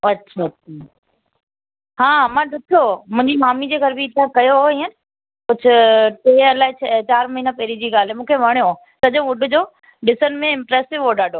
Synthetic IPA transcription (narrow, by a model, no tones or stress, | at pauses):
ɐtːʃʰaɐtʰa | ɦãːmãːɖʱʊkʰijomʊ̃ɦɪɲd͡ʑimaːmid͡ʑeːɡʱɐɾbʱiːt̪ãkɐjoɦoĩːənɪ̆ | kʊd͡ʑʰʱʊʈeːɐlaːɪt͡ɕʰt͡ɕaːɾmɐɦiːnãpɐɦɾid͡ʑiːɡaːl̤ɦɛmũːkʰeʋɐɽ̃jo | sɐʄõʋʊɖʱʊd͡ʑoː | ɖɪsənmẽɪ̃mpɾeːsɪʋɦoɗaːɖʱoː